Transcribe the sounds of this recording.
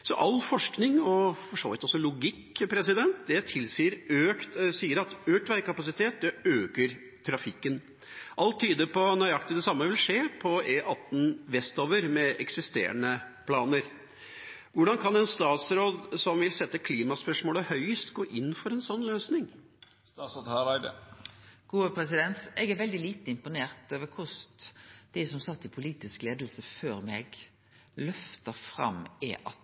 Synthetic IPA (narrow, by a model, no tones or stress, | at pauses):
sɔʔɑlfɔʂknɪŋɔfɔʂo̰ːʋɪt̪ɔsːɔlʊɡɪkːpʰɾɛsɪd̪ɛnt̪d̪ɛt̪ʰɪlsiːəɾøːkt̪siːəɾɑt̪øːkʈ̪ʋæɪkɑpɑsɪt̪ʰeːt̪̚d̪ɛøːkəɾ | t̪ʰɾɑfɪkːən | ʔɑlt̪ʰːiːd̪əpɔnœʏɑk̚t̪ɪd̪ɛsɑmːəʋɪlʂeːpʰɔeːʔɑt̪ːn̩ʋɛst̪oːʋəɾmɛɛksɪst̪ḛːɾə̰nə | pʰlɑːnəɾ | ʋʊɖɑnkʰɑnɛnst̪ɑːt̪sɾoːd̪sɔmʋɪlsɛt̪ːəkʰliːmɑspœʂmoːləhœʏəst̪ɡoːʔɪnːfɔɾɛnsɔnːløːsnɪŋ | sd̪hɑʋæd̪ | ɡ̥uːəpʰɾɛs̬ɪd̪ɛnt̪ɛɡɛɾʋɛld̪ɪliːt̪əɪmpʊneːʁt̪øːʋəkʰʊs | d̪̥æsɔmsɑt̪ːɪpʰʊliːt̪ɪskleːd̪əl̩səføːɾmɛɡ | lœft̪əfɾɑ̰mḛːʔɑt̪